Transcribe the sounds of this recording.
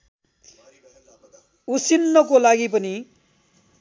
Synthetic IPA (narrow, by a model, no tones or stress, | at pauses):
usinːʌkolaɡipʌni